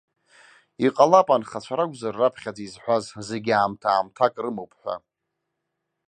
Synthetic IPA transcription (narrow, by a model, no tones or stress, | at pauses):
iqʼalapʼanχat͡ɕʷʰaɾaɡʷʼzarːapʰχʲad͡zizħʷazzeɡʲaːmtʰaːmtʰakʼrɨmowpʰʼħʷa̰